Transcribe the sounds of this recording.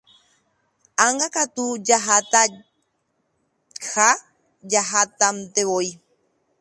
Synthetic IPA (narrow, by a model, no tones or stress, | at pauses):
aŋɡakat̪ud͡ʒaɦat̪a | ha | d͡ʒaɦat̪amt̪eβoj